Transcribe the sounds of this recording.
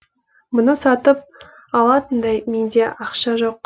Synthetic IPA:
mʊnəsɑt̪əp̚ | ɑlˠɑt̪ənd̪ɑjmend̪e̞ʔɑqʃɑʒo̞q̚

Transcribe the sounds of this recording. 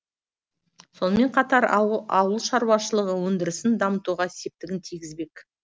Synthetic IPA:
so̞nəme̞ɴqʰɑt̪ɑɾɑwəlˠʃɑɾwɑʃəlˠəʁəwɵnd̪ɪɾɪsɪnd̪ɑmət̪uʁɑse̞p̚t̪ɪɡʲɪnt̪ʰijɡʲɪzbe̞k

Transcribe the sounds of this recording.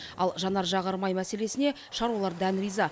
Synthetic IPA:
ɑ̰lˠʒɑnɑɾʒɑʁɑɾmɑjmæse̞le̞sɪne̞ | ʃɑɾwɑlˠɑɾd̪ænɾijzɑ

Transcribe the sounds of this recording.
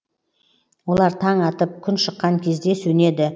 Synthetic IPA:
wo̞lˠɑɾt̪ʰɑɴɑt̪əp̚kʲʰʏnʃəqːɑŋkʲʰe̞zd̪e̞sɵne̞d̪ɪ

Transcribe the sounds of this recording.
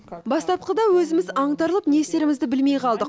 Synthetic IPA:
bɑst̪ɑp̚qəd̪ɑwɵzɪmɪzɑɴt̪ɑɾlˠəpnest̪e̞ɾɪmɪzd̪ɪbɪlme̞jqʰɑlˠd̪əq

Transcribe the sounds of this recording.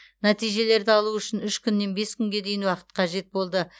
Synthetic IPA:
næt̪ijʒe̞le̞ɾd̪ɪɑlˠuʏʃɪnʏʃkʲʰʏnːe̞nbe̞skʲʰʏŋɡʲe̞d̪e̞jɪnwɑqə̥t̪qʰɑʒe̞t̪̚bo̞lˠd̪ə

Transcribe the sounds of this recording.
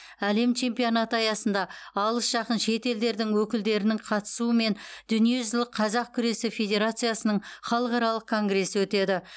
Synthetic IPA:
æle̞mt͡ʃʰe̞mpijonat̪əɑjɑsənd̪ɑɑlˠəsʒ̥ɑqənʃe̞t̪e̞ld̪e̞ɾd̪ɪŋwɵkʲɪld̪e̞ɾɪnɪɴqʰɑt̪ə̥suəme̞nd̪̥ʏnije̞ʒɪzlˠɪqʰɑzɑq̚kʲʰʏɾe̞sɪfʲe̞d̪ʲe̞ɾat̪sɨjasənəɴχɑlˠəqɑɾɑlˠəq̚kʰo̞ŋɡre̞sːəwɵt̪e̞d̪ɪ

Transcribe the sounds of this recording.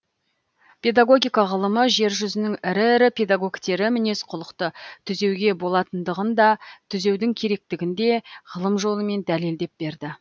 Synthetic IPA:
pʰʲe̞d̪aɡo̞ɡʲijkɑʁəlˠəməʒe̞ɾʒʏzɪnɪŋɪɾɪɾɪpʰe̞d̪aɡo̞ɡʲt̪e̞ɾɪmɪne̞sqʰʊlˠəqt̪ət̪ʰʏze̞wɡʲe̞bo̞lˠɑt̪ənd̪əʁənd̪ɑt̪ʰʏze̞wd̪ɪŋkʲʰe̞ɾe̞k̚t̪ɪɡʲɪnd̪e̞ʁəlˠəmʒo̞lˠəme̞nd̪æle̞ld̪e̞p̚be̞ɾd̪ɪ

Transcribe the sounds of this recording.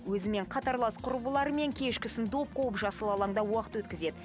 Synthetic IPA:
wɵzɪmeɴqʰɑt̪ɑɾlˠɑsqʰʊɾbəlˠɑɾəme̞ŋkʲʰe̞ʃkʲɪsɪnd̪o̞p̚qʰowəpʒɑsəlˠɑlˠɑɴd̪ɑwɑqə̥t̪wɵt̪kʲɪze̞d̪ɪ

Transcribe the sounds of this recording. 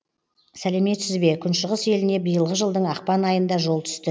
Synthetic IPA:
sæle̞me̞t̪sɪzbe̞kʲʰʏnʃəʁəse̞lɪne̞bijəlˠʁəʒəlˠd̪əɴɑqpɑnɑjənd̪ɑʒo̞lˠt̪ʰʏ̥st̪ɪ

